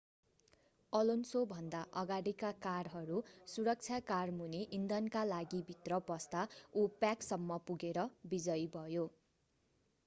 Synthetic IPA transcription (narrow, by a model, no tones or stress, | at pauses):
ʌlonsobʱʌnd̪aʔʌɡaɽikakaɽɦʌɾusuɾʌk̚t͡sʰjakarmuneʔind̪ʌnkalaɡibʱit̪rʌpʌst̪aupjaksʌmːʌpuɡeɾʌbid͡zʌjbʱʌjo